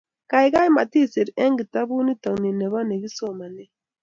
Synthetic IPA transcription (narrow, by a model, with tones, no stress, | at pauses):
ka˨i˨˦ɣa˦i˦ma˨ti˦se˨ɾi˨ɛ˦ŋɡi˨ta˦βu˦ni˦ta˨ni˨nɛ˨βa˦ne˨ɣi˦sɔ˦˨ma˨ne˦